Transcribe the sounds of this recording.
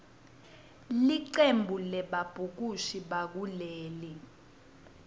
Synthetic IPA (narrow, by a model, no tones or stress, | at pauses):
liǃembʱulɛɓab̥ʱuk̬uʃiɓak̬uleːli